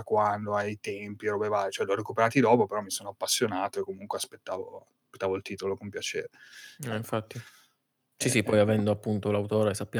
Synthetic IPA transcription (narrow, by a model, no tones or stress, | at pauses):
kwand̪oajt̪ɛmpiɾobevajt͡ʃoɛloarɾekupeɾaːt̪id̪ɔːpopeɾɔmːisoːnoapːasːjonaːt̪oekːomuŋkweaspet̪ːaːvo̰aspet̪ːavoilt̪iːt̪olokompjat͡ʃḛːɾeɛiɱfat̪ːi | sisipːɔjavɛnd̪oapːunt̪olawt̪oːɾesapːja